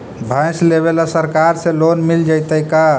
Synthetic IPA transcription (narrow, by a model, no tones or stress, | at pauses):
bʱãɪsleβelasəɾkaɾsẽlonmild͡ʒəjt̪əjka